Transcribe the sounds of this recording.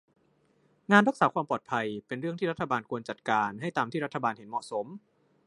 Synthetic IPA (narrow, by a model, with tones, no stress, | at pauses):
ŋaː˧nɾa˦˥k̚saː˩˦kʰwaː˧mpɔː˨˩t̪̚pʰa˧jpe˧nɾɯ˥˩əŋt̪iː˥˩ɾa˦˥t̪ʰːa˧baː˧nkʰu˧ənt͡ɕa˨˩t̪̚kaː˧nɦa˥˩jt̪aː˧mt̪ʰiː˥˩ɾa˦˥t̪ʰːa˧baː˧nhe˩˦nmɔ̰˨˩ʔso˩˦m